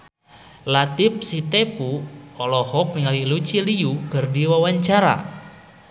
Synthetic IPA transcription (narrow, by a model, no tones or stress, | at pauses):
lat̪ip̚sit̪epuɔlɔhɔk̚niŋalilut͡ʃilijuɡ̥ərdiwawaɲt͡ʃaɾa̰